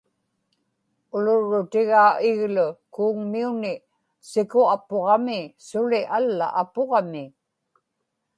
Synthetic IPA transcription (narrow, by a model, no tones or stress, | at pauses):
ʊlʊɻːʊt̪ɪɣaːʔɪɣlʊkuːŋmiunɪ | sɪkʊapoʁɑmɪsʊlɪʔalːa̰ʔːpoʁɑmɪ